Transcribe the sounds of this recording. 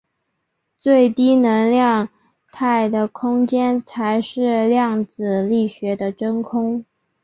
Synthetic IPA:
t͡swe˥˩ɪt̪i˥nə˧˥ŋljɑ˥˧ŋ | t̪ʰa˥˩ɪd̪ə˩kʰʊ˥ŋt͡ɕjɛ˥nt͡sʰa˧˥ɪʂɻ̩˥˧ljɑ˥˩ŋt͡sɹ̩˨˩li˥˩ɕɥɛ˧˥d̪ə˧ʈ͡ʂə˥nkʰʊ˥ŋ

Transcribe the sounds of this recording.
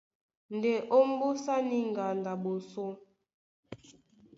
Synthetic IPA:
n˨de˨ʔo˦m˦bu˦sa˦ni˦ŋ˨ɡa˨nda˨bo˨so˦

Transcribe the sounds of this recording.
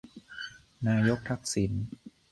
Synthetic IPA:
naː˧jo˦˥k̚t̪ʰa˦˥k̚si˩˦n

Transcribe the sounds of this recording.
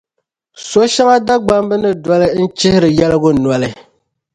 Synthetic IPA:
so˦ʃɛ˦ŋa˦da˦ɡ͡ba˦mbɨ˦nɨ˦dɔ˦lɨ˦n̩˦t͡ʃɪ˦hɪ˦ɾɨ˨jɛ˦lɨ˦ɡʊ˦nwɔ˨lɨ˨

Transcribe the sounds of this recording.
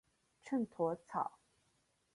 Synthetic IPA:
ʈ͡ʂʰə˥˩nt̪ʰwɔ˧˥t͡sʰɑ̰˨˩˦ʊ

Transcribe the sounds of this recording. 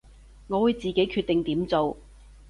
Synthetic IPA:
ŋɔː˨˧wuː˨˧jt͡siː˨ke˨˥jkʰyː˧t̪̚e˨ŋt̪iː˨˥mt͡so˨w

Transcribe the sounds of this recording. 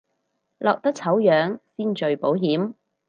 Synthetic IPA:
lɔː˨k̚t̪ɐ˥k̚t͡sʰɐ˨˥wjœː˨˥ŋsiː˥nt͡ʃɵ˨ɥpo˨˥wɦiː˨˥m

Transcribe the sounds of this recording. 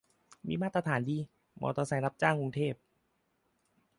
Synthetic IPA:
mḭː˧maː˥˩t̪ɾa˧t̪ʰaː˩˦ndiː˧ | mɔ̰ː˧˦t̪ɔː˧sa˨˦na˦˥p̚t͡ɕaː˥˩ŋku˧ŋt̪ʰeː˥˩p̚

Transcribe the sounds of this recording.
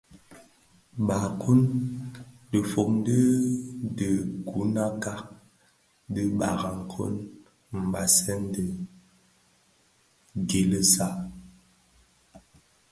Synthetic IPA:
ɓa˨kʰu˦n | də˨fo˨k̚n˦də˦də˨ɡu˨˦na˦ka˦ | də˦ɓa˨ɣa˨ŋ˨kʰo̰˦n | m̩˨ba˨sɛ˦ndə˨ | ɡe˨lə˦sa˦

